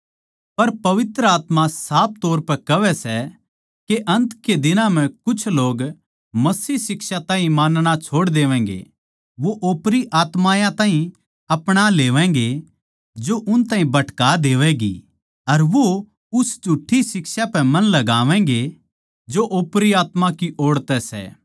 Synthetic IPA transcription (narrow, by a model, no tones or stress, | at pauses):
pɐɾpɐʋɪt̪ɾəaːt̪mãsaːp̚ʰt̪oːɾpɛkɐʋɛsɛ | keʔɐ̃nt̪ked̪ɪnãm̤ɛ̃kʊt͡ʃʰloːɡ | mɐsiːɦsɪkʃat̪ãːɦĩmaːnɽ̃at͡ʃʰoːɽd̪eːʋɛ̃ːŋɡḛ | ʋoʔoːpɾiʔaːt̪maːjãt̪ãːɦĩ | ɐpɽ̃aleːʋɛ̃ːŋɡe | d͡ʒoʔʊnt̪ãːɦĩbɐʈkaːd̪eːʋɛɡḭ | ɐɾʋo | ʊsd͡ʒʱuʈʰːisɪksapɛ̃mɐ̃nlɐɡaːʋɛ̃ːŋ̆ɡe | d͡ʒoʔoːpɾiaːt̪makiʔoːɽt̪ɛsɛ̰ː